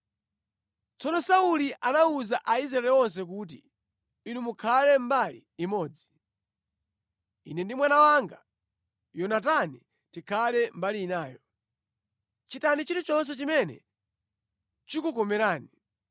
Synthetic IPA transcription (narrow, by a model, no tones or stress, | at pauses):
t͡sɔnɔsauliʔanauzaʔaizɾaɛlɛɔns̬ɛk̬ut̬ḭ | inumukʰalɛmbalḭːmɔːd͡zi | inɛndimwanawaŋɡa | jɔnatani | tikʰalɛmbaliːnaːjɔ | t͡ʃitanit͡ʃitit͡ʃɔns̬ɛt͡ʃimɛnɛ̰ | t͡ʃikukɔmɛɾaːni